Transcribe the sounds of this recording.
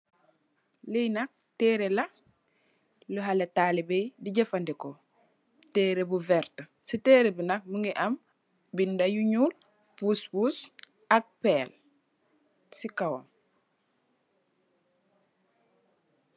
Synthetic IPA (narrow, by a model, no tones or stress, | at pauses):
lijnak̚tɛːɾela | ləɦaletaːlibɛjdiɟɐfandiko | tɛːɾebuvɛɾt | sitɛːɾebinak̚muŋiʔam | bindajuɲuːl | puspus | ak̚pɛːl | sikawo̰m